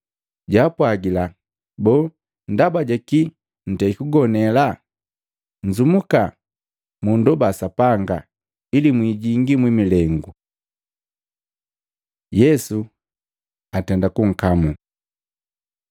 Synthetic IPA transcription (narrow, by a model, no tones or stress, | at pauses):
ɟaːpwaɡila | bɔː | ndabaɟaki | n̩tɛikuɡɔnɛla | ɲd͡ʒumuka | mundɔbasapaŋɡa̰ | ilimwiɟiŋɡimwimilɛŋɡu | jɛsu | atɛndakuŋ̩kamu